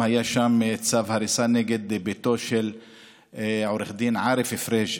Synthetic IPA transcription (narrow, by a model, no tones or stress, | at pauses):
hajaʃamt͡savhaɾisaneɡed̪bet̪oʃel | ʕoɾeχd̪inʕaɾefefɾeʒ